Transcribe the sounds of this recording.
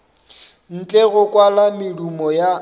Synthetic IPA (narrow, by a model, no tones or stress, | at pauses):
n̩t͡ɬʼeɣʊkʼwalamɪlumɔja